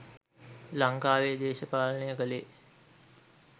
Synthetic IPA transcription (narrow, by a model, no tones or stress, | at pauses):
laŋkaːʋed̪eːʃəpaːlənejəkəleː